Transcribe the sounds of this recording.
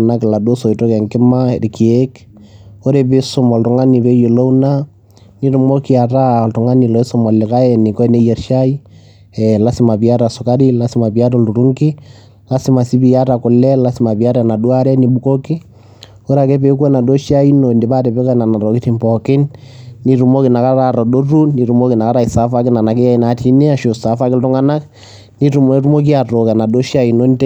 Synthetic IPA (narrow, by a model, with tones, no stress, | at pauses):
na˦kɪ˨la˨du˦o˦so˨i˨to˦kɛ˨ŋkɪ˦ma˦ɾi˨ki˨e˦k | o˦ɾe˨bɪ˦sʊ˨mɔ˨ltʊ˨ŋa˦ni˨βe˦jo˨lo˦u˦na˦ | ni˦tʊ˨mo˦ki˦a˨ta˦ltʊ˨ŋa˦ni˨lɔ˨e˦sʊ˦mɔ˨lɪ˨ka˦ɛ˨nɪ˨kɔ˦ne˦jɛ˨rʃa˦i˦ | ɛla˦sɪ˦ma˨pi˨a˦ta˨sʊ˨ka˦ɾi˦la˦sɪ˦ma˨pi˨a˦tɔ˨lu˨ɾu˦ŋkɪ˦ | la˦si˦ma˨si˦bi˨ja˦ta˨kʊ˨lɛ˦la˦si˦ma˨pi˨a˦ɾa˨na˨dwa˦ɾɛ˦ni˨bu˦ko˦kɪ˦ | o˦ɾa˨kɛ˦pe˦k̬wɛ˦na˨do˦ʃa˦i˦no˨nde˨ba˦tɛ˨pɛ˦ka˦na˨na˨ɾɔ˨ki˦ti˦mpɔkɪ˦nːi˨ɾu˨mo˦ki˨na˨ka˦ɾaɾɔ˨do˦ru˦ni˨ɾu˦mo˦ki˨na˨ka˦ɾa˦i˨sa˦fa˦kɪ˦na˨na˨ke˦ja˦i˦na˨tʰi˦ni˦a˦ʃo˨sa˨fa˦kɪltu˦ŋa˦na˦k | ni˦tu˨m˦ɾu˦mo˦k̬i˦a˨to˨kɛ˨na˨do˦ʃa˦i˨no˦nte˦